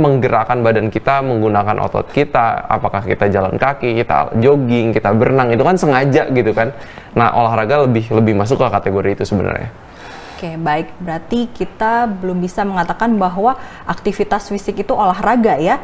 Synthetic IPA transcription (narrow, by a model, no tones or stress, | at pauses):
məŋɡəɾakanbadankit̪aməŋɡunakanʔo̰t̪ɔ̰t̪̚kit̪aa̰pakahkit̪ad͡ʒala̰nkakikit̪a̰d͡ʒoɡɪŋkit̪abərnaŋit̪ukansəŋad͡ʒaʔɡit̪ukan | na̰ʔo̰laɦɾaɡaləbɪhləbɪhmas̬ʊkkat̪eɡoɾiːt̪usəbəna̰rɲa̰ | okebaɪk̚bəɾart̪ikit̪abəlʊmbisaməŋat̪akanbaɦwa | ʔak̚t̪ifit̪asfisɪkit̪uolaɦraɡaja